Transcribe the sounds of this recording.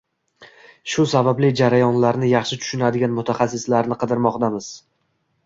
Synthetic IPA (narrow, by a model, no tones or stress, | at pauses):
ʃʊsabablɪd͡ʒaɾajɒnlaɾnɪjɑχʃɪt̪ʰʊ̥ʃʊnad̪ɪɡʲanmʊt̪ʰaχasːɪslaɾnɪqʰɨd̪ɪɾmɒqd̪amɪz̥